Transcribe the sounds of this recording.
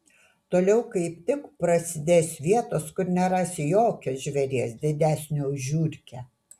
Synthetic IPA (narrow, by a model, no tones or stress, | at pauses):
t̪oːlʲɛʊkɐɪp̚t̪ʲɪkpɾɐsʲɪd̪ʲeːsʋʲiɛt̪oːskʊɾnʲɛɾɑsʲɪjoːkʲoːsʒʲʋʲɛɾʲiɛsd̪ʲɪd̪ʲæːsʲnʲoːʊʒʲuːɾʲkʲɛ